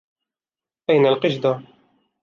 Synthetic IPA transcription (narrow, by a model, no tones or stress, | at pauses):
ʔajnalqɪʃd̪a